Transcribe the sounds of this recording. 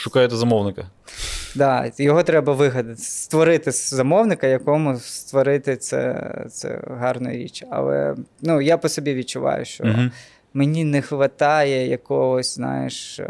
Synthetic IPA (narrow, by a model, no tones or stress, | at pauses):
ʃʊkɑjɛt̪ɛzɐmɔwnɪkɐ | d̪ɑjɔɦɔt̪ɾɛbɐʋɪɦɐd̪ɐt̪ɪ̥st̪ʋɔɾɪt̪ɪzɐmɔwnɪkɐjɐkɔmʊst̪ʋɔɾɪt̪ɪt̪sɛ̰t̪sɛ̰ɦɑrnɔ̰jiɾʲḭt͡ʃɐ̰lˠɛ̰nujapɔsɔbʲiʋʲid̚t͡ʃːʊʋɑ̰jʊ̰ʃt͡ʃɔ̰ | menʲinɛxʋɐt̪ɑjɛjɐkɔɦɔsʲznɑ̰jɪ̰ʃ